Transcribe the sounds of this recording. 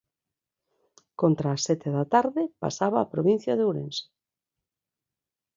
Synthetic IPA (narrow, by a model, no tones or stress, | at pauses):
kont̪ɾaːsːɛt̪eðat̪aɾðɪpa̰saβaːpɾoβin̟θjaðewɾḛnse̥